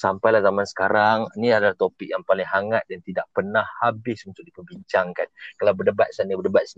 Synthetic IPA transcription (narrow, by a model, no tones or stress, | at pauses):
sampajlahzamansə̥kaɾaŋniadalaht̪opɪk̚jaŋpalɪŋɦaŋat̪̚dant̪idaʔpənahːabɪsunt̪ʊk̚dipəbiɲt͡ʃaŋkankalawbədəbat̪̚sanəbədəbat̪̚s